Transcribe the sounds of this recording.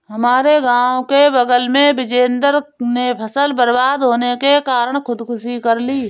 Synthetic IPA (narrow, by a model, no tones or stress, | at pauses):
ɦɐmaːɾeɡãːõkebəɡəlmẽbɪd͡ʒeːnd̪əɾnepʰəsəlbəɾbaːd̪ɦoːnekekaːɾəɽ̃kʰʊd̪kʰʊʃikəɾliː